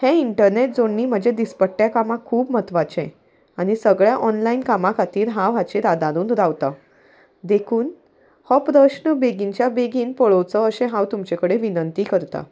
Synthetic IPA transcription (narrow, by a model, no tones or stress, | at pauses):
hẽiɳʈəɾneʈ̚d͡zoɳːiːm̤əd͡ʑed̪ispəʈːjakamãkʰuːpmət̪ʋat͡ɕḛ̃ | aɽ̃isəɡɭjaʔɔnlainkamãkʰat̪iːɾɦãʋ̤at͡ɕiːɾad̪ãɾuːnɾawt̪a | d̪ekʰuːn | hɔpɾəɕɳəbeɡiɲt͡ɕjabeɡiːnpəɭowt͡sɔəsẽɦãwt̪umt͡ɕekəɽeʋinənt̪iːkəɾt̪a̰